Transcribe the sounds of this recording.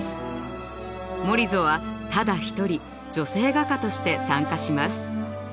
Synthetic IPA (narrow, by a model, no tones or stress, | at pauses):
sɨ̥ | mo̞ɾʲizo̞βat̪ad̪açi̥t̪o̞ɾʲi | d͡ʑo̞se̞ːɡakat̪o̞ɕi̥t̪e̞sãŋkaɕimasɨ̥